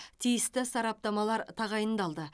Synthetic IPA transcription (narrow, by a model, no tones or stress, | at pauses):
t̪ʰijɪst̪ɪsɑɾɑp̚t̪ɑmɑlˠɑɾt̪ʰɑʁɑjənd̪ɑlˠd̪ə